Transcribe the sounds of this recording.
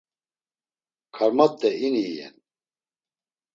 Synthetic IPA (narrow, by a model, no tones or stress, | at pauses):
kʰaɾmat̪ːɛinijɛ̰n